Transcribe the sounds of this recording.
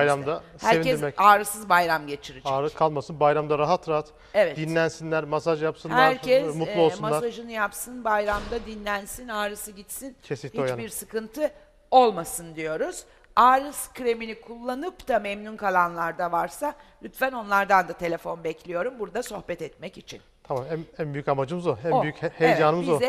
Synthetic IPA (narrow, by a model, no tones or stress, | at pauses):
ajɾamd̪a | shæɾeviɛɾmɛcaːɾɯsɯzbajɾamɟe̞t͡ʃʰiɾid͡ʒaːɾɯkʰalˠmasɯnbajɾamd̪aɾaɦat̪ɾaɦat̪ | evɛtd̪inlʲænsinlʲæɾmasaʒjapsɯnh̪æɾɛmutlˠuolˠunmadsaʒɯnɯjapsɯnbajɾamd̪ad̪inlʲænsinaːɾɯsɯɟit̪sinʰesnihʲiojt͡ʃabiɾsɯkɯnt̪ʰɯ | o̞lˠmasɯnd̪ijo̞ɾuz̥ | aːɾɯskʰɾe̞minikʰulˠːanɯpd̪amɛmnunkʰalˠanlˠaɾd̪avaɾsalʲyt̪fæno̞nlˠaɾd̪and̪at̪ʰe̞lʲe̞fo̞nbɛcʰlʲijo̞ɾumbuɾd̪aso̞xbɛt̪ɛt̪mɛcit͡ʃʰint̪ʰamamæænbyjycamad͡ʒɯmɯzuæyjychejd͡ʒaːnɯmɯzuɛ